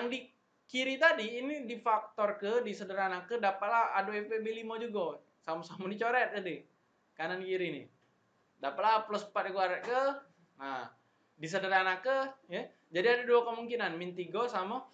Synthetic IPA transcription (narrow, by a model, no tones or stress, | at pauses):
jaŋdi | kiɾit̪adiːnidifak̚t̪ɔrkədisədəɾanakːədapaʔ̪̚lahadoefebelimad͡ʒuɡa | samasamadit͡ʃoɾɛt̪̚adi | kanankiɾinḭ | dapaʔlapləspat̪̚diɡuaɾɛt̪̚kə | na | dis̬ədəɾanakːəja | d͡ʒadiadaduakəmuŋkinanmint̪iɡosama